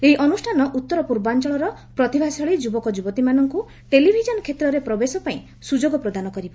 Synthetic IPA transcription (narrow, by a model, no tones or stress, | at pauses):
eiʔɔnusʈʰanɔʔut̪ːɔɾɔpuɾbant͡ʃɔɭɔɾɔpɾɔt̪ibʱasɔɭid͡ʒubɔkɔd͡ʒubɔt̪imanɔŋku | ʈelibʱid͡ʒɔnɔkʰet̪ɾɔɾepɾɔbesɔpaĩ | sud͡ʒoɡɔpɾɔd̪anɔkɔɾiba